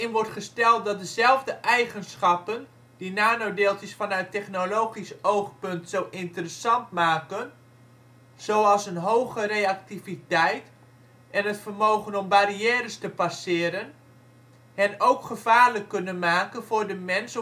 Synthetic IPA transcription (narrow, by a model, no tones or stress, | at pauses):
ɪnʋɔrtχəstɛlˠt̚dɔt̚dəzɛlˠvdəʔɛjχənsχɑpən | dinaːnoːdeːlˠtɪsfɑnœɥtɛχnoloːχisowχpɵntsowʔɪntərəsɑntmaːkən | z̥oːɑlˠsənɦowɣərejak̚tivitɛjt | ɛnɦətfərmoːχənɔmbaɾiɛːɾəstəpasɪːɾən | hɛnowkχəv̥aːrləkːønənmaːkənvʊrdəmɛns